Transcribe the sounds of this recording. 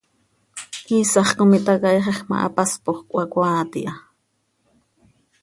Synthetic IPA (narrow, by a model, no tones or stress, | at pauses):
kisɑχkomit̪akɑjχeχma̰ʔa̰paspoχkʷʼwakʷaːt̪ḭʔa